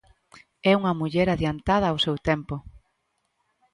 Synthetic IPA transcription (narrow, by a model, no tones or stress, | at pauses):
ɛuŋɐmuʎɛɾaðjant̪að̞ɐːwsewt̪ɛmpo